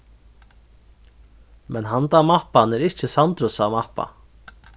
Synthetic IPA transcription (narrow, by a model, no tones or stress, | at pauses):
mʔɛnɦant̪amahpanɛɾɪht͡ʃɪsant̪ɾʊsamahpːa̰